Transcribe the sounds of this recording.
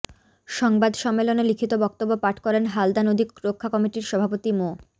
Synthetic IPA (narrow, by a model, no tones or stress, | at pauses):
ʃɔŋbad̪ʃɔmːelonelikʰit̪obɔk̚t̪obːopaʈʰkɔɾenɦald̪anod̪ʱikɾokʰːakɔmiʈiɾʃɔbʱapot̪imo